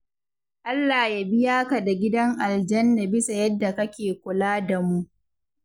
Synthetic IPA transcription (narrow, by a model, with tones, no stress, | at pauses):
ʔa˦lːaː˨ja˦˨bɪ˦jaː˦ka˨da˨ɡʲɪ˦dɐ˦ŋʔa˨ld͡ʒɐ˦nda˨bɪ˦sa˨jɐ˦dːa˨kɐ˦kʲeː˨kʷʊ˨laː˦da˨mu˦ʔ